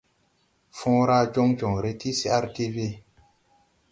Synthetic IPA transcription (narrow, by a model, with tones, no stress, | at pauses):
fɔ̃˦ɾa˦d͡ʒo˦ŋd͡ʒɔ̃˨ŋɾe˦ti˦si˦a˦ɾte˦ve˦˨